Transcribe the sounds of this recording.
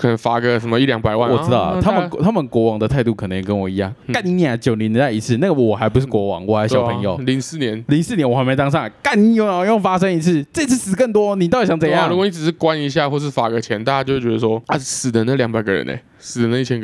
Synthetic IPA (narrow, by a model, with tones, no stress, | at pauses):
kʰə˨nə˧˦ŋfa˨˩ɡə˦ʂə˧˦mə˧i˥˩ljɑ˧˥ŋpa˨˩ɪwa˥˨nwɔ˨˥t̪ɑ˥˩ʊ̰˨t̪ʰa˥mə˨kt̪ʰa˦˥mə˨nkwɔ˧˥wɑ˧˥ŋd̪ə˨t̪ʰa˥˧ɪt̪u˥˩kʰə˨˩ə˧˦ŋjɛ˨˩kə˦nwɔ˨˩i˧˥jɑ˥˩ŋka˥˩ni˧˥ni˧˩a˨˩t͡ɕjo˨˩ʊni˧˥n˧˥t̪a˥˩i˧˥t͡s̩ʰ˥˩na˥˩ɡə˩wɔ˨˩xa˧˥ɪp̬u˧˥ʂ̬̩˥˩kwɔ˧˥wɑ̰˨˩˦ŋwɔ˨˩xa˧˥ɪɕɑ˨˧˩pʰə˧˥ŋjo̰˨˩ʊli˧˥˦ŋsɹ̩˥˩njɛ˧˦nli˧˥˦ŋsɹ̩˥˩njɛ˧˥nwɔ˨˩˧ɪme˧˥ɪt̪ɑ˥ŋʂɑ˥˩ka˥˩ni˧˥jo˥˩ŋa˨˦jo˥˩ŋfa˥ʂə˥ŋi˧˥t͡s̩ʰ˥˩t͡sə˥˧i˦t͡s̩ʰ˥˩sɹ̩˨˩kə˥˩ŋt̪̬wɔ˥ni˨˩t̪jjɑ˨˩ŋt͡sɤ˨˩˦jɑ˥˨ŋu˧˥kwɔ˨˩ni˧˩ʈ͡ʂɻ̩˨˩ʂ̩˥˩kwa˦ni˧˥ɕ̬ja˥˧xwɔ˥˩ə˧ʂ̬ɻ̩˥˩fa˨˩ɡə˧˦t͡ɕʰjɛ˧˥nt̪a˥˩t͡ɕa˥t͡ɕo˥˧ʊwe˥˩t͡ɕʲɛ˧d̪ə˧wɔ˦˥a˨˩sɹ̩˨˩d̪ə˦na˥˩ljɑ˧˥ŋpa˨˩ɪɡə˦ɻə̰˧˦nḛ˧˩ | s̩˨˩d̪ə˦na˥˧i˨˩t͡ɕʰɛ˧˦n˧